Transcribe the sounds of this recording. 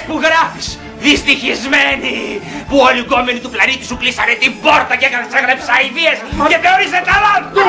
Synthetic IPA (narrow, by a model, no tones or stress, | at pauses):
spuɣɾɐfi̥s | ðist̪içizme̞nipuoliɡo̞menit̪uplɐnit̪i̥suklisɐne̞t̪ibo̞ɾt̪ɐceɣseɣɾɐpsɐiviesceθeo̞ɾiset̪ɐlɐt̪u